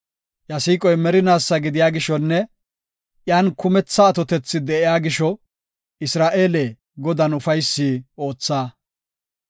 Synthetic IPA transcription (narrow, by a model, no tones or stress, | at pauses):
jɐsiːkʼɔjmɛɾɪnaːsːɐɡɪd̪ɪjaːɡɪʃɔnːɛ | ʔjaːnkʊmɛt͡sːɐːt̪ɔt̪ɛt͡sːɪd̪ɛʔɪjaːɡɪʃɔ | ɪsɾaːʔeːle | ɡɔd̪ɐnʊfɐjsːiːo̞ːt͡sːaː